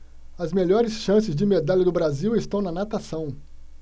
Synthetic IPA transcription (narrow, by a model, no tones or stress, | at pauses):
ɐzmeʎɔɾɪsʃɐ̃sɪzd͡ʒɪmed̪aʎɐd̪ʊbɾaziwɪst̪ɐ̃w̃nɐnat̪asɐ̃w̃